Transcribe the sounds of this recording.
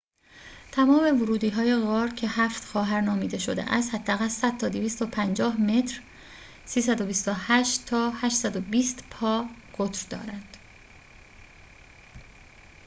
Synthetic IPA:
t̪ʰæmɒːme̞voɾuːd̪iːɦɒːje̞ɣɒːɾcʰe̞hæːft̪xɒːɦæɾnɒːmiːd̪e̞ʃod̪ḛʔæst̪hæd̪ːæɣælssæd̪̚t̪ʰːɒːd̪eviːst̪opʰænd͡ʒɒːhme̞t̪ʰɾ | siːsæd̪o̞bist̪ohæʃt̪t̪ʰːɒːhæʃt̪sæd̪obiːst̪pʰɒːkʰot̪ɾd̪ɒ̰ːɾænd̪̥

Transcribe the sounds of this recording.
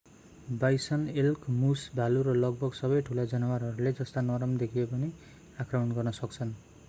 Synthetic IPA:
bajsʌnelkʰmusbʱaluɾʌlʌɡ̚bʌɡsʌbʌjʈʰulad͡zʌnʌwaɾʌɾuled͡zʌst̪anʌɾʌmd̪ekʰijepʌni | akrʌmʌnɡʌrnʌsʌk̚t͡sʰʌn

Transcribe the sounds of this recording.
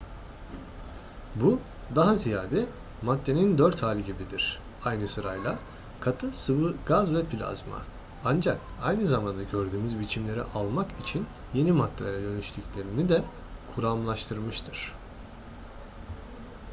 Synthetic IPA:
bu | d̪aɦazijaːd̪ɛ | mat̪ʰːe̞nind̪øɾt̪haːlʲiɟibid̪iɾ̥ | ajnɯsɯɾajlˠa | kʰat̪ʰɯsɯbɯɡazvɛpʰilʲa̰zma̰ | and͡ʒakajnɯzamand̪aɟø̞ɾd̪yːmyzbit͡ʃʰimlʲe̞ɾḭʔalˠmakit͡ʃʰin | je̞nimat̪ʰːelʲˠaɾad̪ø̞nyʃt̪ʰyclʲe̞ɾinid̪ɛ | kʰuɾamlˠaʃt̪ʰɯɾmɯʃt̪ʰɯɾ̥

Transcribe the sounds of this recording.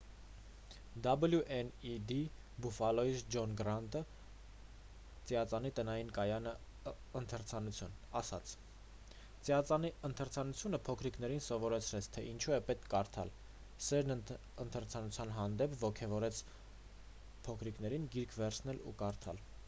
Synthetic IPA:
d̪ɑbəljuʔɛnid̪i | bufɑlɔisd͡ʒɔnɡɾɑnt̪ə | t͡siɑt͡sɑnit̪ənɑjinkɑjɑnə | ənt̪ʰəɾt͡sʰɑnut͡sʰjunɑsɑt͡sʰ | t͡siɑniənt̪ʰəɾt͡sʰɑnut͡sʰjunəpʰɔkʰɾikn̪ɛɾinsɔvɔɾɛt͡sʰɾɛt͡sʰt̪ʰɛʔint͡ʃʰuɛpɛt̪̚kːɑɾt̪ʰɑ̰l | sɛɾn | ənt̪ʰəɾt͡sʰɑnut͡sʰjɑnɦɑnd̪ɛpʰvɔkʰɛvɔɾɛt͡sʰ | pʰɔkʰɾiknɛɾinɡiɾkʰvɛɾt͡sʰnɛlṵkɑɾt̪ʰɑ̰l

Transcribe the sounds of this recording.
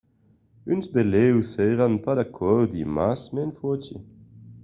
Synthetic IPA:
ynzbelewsɛɾanpad̪akʰɔɾd̪ḭmasmenfɔt͡ʃi

